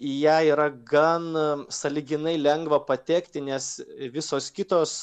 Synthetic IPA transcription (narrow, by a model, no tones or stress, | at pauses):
ijæːiːɾɐɡɐnsɐlʲɪɡʲɪnɐɪlʲɛŋɡʋɐpɐt̪ʲɛːkt̪ʲɪnʲɛsʋʲɪsoːskʲɪt̪oːs